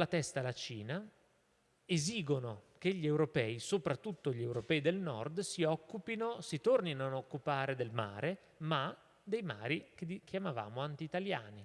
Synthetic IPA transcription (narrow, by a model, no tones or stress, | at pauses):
lat̪ɛst̪alat͡ʃiːna | eziːɡonokeʎːiewɾopɛːisopɾat̪ːut̪ːoʎiewɾopɛːid̪elnɔ̰rd̪siɔkːupinosit̪orninoanokːupaːɾed̪elma̰ːɾʔe | ma | d̪ejma̰ːɾik̟ek̟ʰjamava̰ːmoant̪iːt̪alja̰ːni